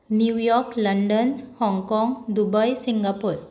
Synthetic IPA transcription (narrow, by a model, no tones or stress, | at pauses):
njujɔɾkləɳɖənhɔŋɡkɔŋɡd̪ubəjsiŋɡapuɾ